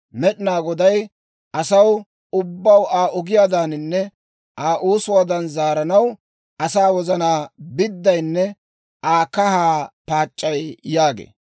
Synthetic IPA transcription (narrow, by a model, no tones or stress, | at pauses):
mɛɗɪnaːɡɔd̪ɐj | ʔɐsɐw | ʊbːɐwaːʔʊɡɪjaːd̪aːnɪnːɛ | ʔaːʔuːsʊwaːd̪ɐnzaːɾɐnɐw | ʔɐsaːwɔzɐnaːbɪd̪ːɐjnːɛ | ʔaːkɐhaːpaːt͡ʃʼːɐjjaːɡḛː